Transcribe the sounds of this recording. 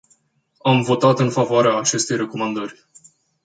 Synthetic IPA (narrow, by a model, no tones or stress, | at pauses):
amvo̞t̪at̪ɨnfavoaɾeaːt͡ʃe̞st̪e̞jɾe̞ko̞mand̪ərʲ